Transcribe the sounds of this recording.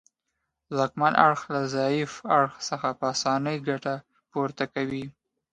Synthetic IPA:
zɑkmanʔa̰ɽxlazɑjɪfaɽxsəxapəasɑnəjɡaʈa | puɾt̪akawi

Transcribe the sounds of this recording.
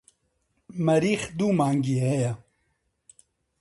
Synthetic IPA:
mɐɾiːxd̪uːmaːŋɡiːhɛja

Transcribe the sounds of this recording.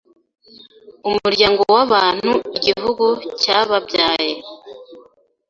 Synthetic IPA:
umuɾɟaːŋɡowaβaːn̥huiɟiɦuɡucaβabɟaːje

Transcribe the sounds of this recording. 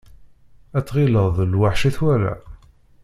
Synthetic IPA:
æt͡sːʁiləðˤlwaħʃiθwæɾæ̰

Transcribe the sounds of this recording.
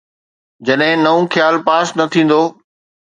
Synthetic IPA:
d͡ʑɐɗɦɪ̃nɐʋũxʰjaːlpaːsnɐt̪ʰĩːn̆d̪oː

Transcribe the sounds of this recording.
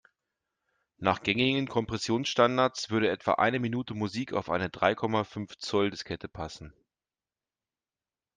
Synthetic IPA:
naːχɡ̥ɛŋɪɡən̩kʰɔmpʁ̥ɛsjoːnsʃtandaɐt͡sv̥ʏɐɾəʔɛtv̥a̰ʔa̰ɪnəminuːtəmuziːkʰa̰ʊfʔa̰ɪnədʁaɪkʰɔmafʏnft͡sɔldəskʰɛtʰəpʰasn̩

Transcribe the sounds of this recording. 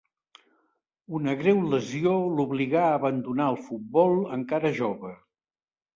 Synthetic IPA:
unəɣɾɛwləzioluβliɣaəβənd̪unaəlˠfut̪̚bɔlˠəŋkaɾəʒoβə

